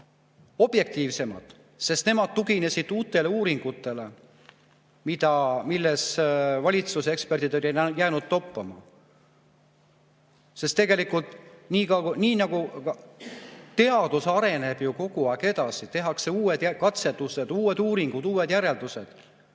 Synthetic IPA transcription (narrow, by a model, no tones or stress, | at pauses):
o̞b̥je̞k̚t̪iːvse̞mɑ̰t̪ | se̞st̪ne̞mɑd̪̥̚t̪ːuɡine̞sid̪̥uːt̪ːˑe̞le̞uːɾiŋɡ̥ut̪ːˑe̞le̞ | mid̪̥ɑmilːesvɑlʲit̪susekspe̞rd̪̥id̪olʲenjæːnud̪̥t̪o̞pːˑɑmɑ̰ | se̞st̪ːe̞ɡe̞likult̪ˑniːkɑniːnɑɡ̥u | t̪ːe̞ɑd̪̥usɑɾe̞ne̞b̥juko̞ɡ̥uɑeɡe̞d̪ɑsit̪e̞ɦɑkse̞uːwe̞d̪̥kɑt̪se̞t̪ːuse̞d̪̥uːwe̞d̪uːɾiŋɡ̥ud̪̥uːwe̞d̪jæɾe̞ld̪̥use̞d̪̥